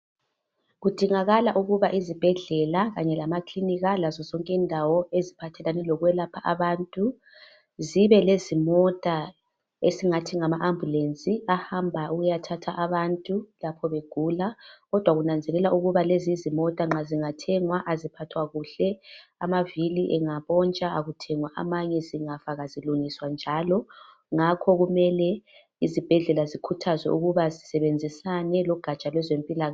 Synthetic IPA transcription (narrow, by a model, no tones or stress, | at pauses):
ɣud̥ʱiŋaɣalaʔuɣuβaʔizib̥ʱɛɮɛlaɣaɲɛlamakʰliniɣalazɔzɔŋkʼindʱawɔezipʰatʰɛlanɛlɔɣwɛlapʰaʔaβantʼu | ziβɛlezimɔtʼa | esiŋatʰiŋamaʔambʱulent͡sʼiahambʱaʔuɣujatʰatʰaʔaβantʼulapʰɔβeɡ̥ʱulaɣɔd̥ʱwaɣunand͡zʱɛlɛlaʔuɣuβalezizimɔtʼaŋ͡ǁaziŋatʰɛŋwaʔazipʰatʰwaɣuɬɛamaviliʔɛŋaβɔnt͡ʃʼaaɣutʰɛŋwaʔa̰maɲɛziŋafaɣaziluŋiswand͡ʒʱalɔ | ŋakʰɔɣumɛlɛ | izib̥ʱɛɮɛlazikʰutʰazwɛ̰ʔuɣuβazisɛβend͡zʱisanɛlɔɡ̥ʱat͡ʃʼalwɛzempʼilaɣa